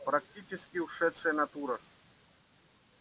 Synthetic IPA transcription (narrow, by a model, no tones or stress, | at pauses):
pɾɐk̚tʲit͡ʃɪskʲɪʊʂɛt̪ʂɨjənɐt̪uɾɐ